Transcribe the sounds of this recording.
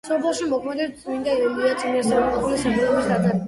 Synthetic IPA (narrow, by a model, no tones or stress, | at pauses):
sɔbɛlˠʃimɔkʰmɛd̪ɛt̪sʼmind̪aɛliat̪sʼmiɛɾsɛmɔqʼɔpulisabilɔbisɡad̪a